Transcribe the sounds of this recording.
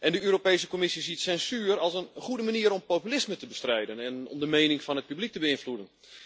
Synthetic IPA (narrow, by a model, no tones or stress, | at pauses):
ʔɛndəøːɾopejsəkomɪsisitsɛnsyːrɑlˠsənχudəmaniəɾɔmpoːpylɪsmətəbəstrɛjdənɛnɔ̰mdəmejnɪŋfɔnɦət̚pyblik̚təbəɪnfludən